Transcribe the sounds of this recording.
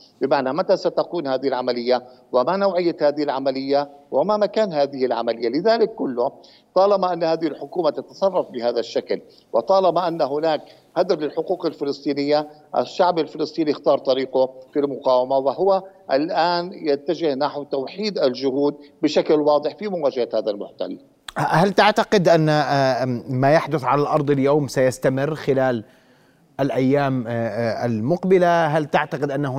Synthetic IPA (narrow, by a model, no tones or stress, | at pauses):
bɪmaʕnamat̪asat̪akuːnhaːðɪhɪlʕamalɪjːa | wɪmanawʕɪjːahaːðɪhɪlʕamalɪjːawɪmamakaːnɦaːðɪhɪlʕamalɪjːalɪðaːlɪkːʊlːʊ | t̪ˤɑːlɑbaʔanːhaːðɪhɪlħʊkuːmat̪at̪ɑsˤɑrˤːɑfbɪhaːðaʃːakl | wɪt̪ˤɑːlɑbaʔanːɦʊnaːk̚ | had̪ɾlɪlħʊquːqɪlfɪlɨst̪ˤiːnɪjːa | ʔɪ̰ʃːaʕbɪlfɪlɨsˤt̪ˤiːniɪxt̪ɑːɾˤt̪ˤɑɾiːqʊfilmʊqaːwamawaɦʊwaʔɪlʔaːnjat̪ːad͡ʒɪhnaħwt̪awħiːd̪alʒʊhuːd̪̚bɪʃaklwɑːd̪ˤɨħfimʊwaːd͡ʒahahaːðalmʊħt̪a̰lː | halt̪ɪʕt̪aqɪd̪ʔanːa | majaħd̪ʊθʕalalʔɑɾˤd̪ˤɪljoːmsajast̪amɪrːxɪlaːl | ʔɪlʔajːaːmalmʊqbɪlaɦalt̪ɪʕt̪aqɪd̪ʔanːahʊ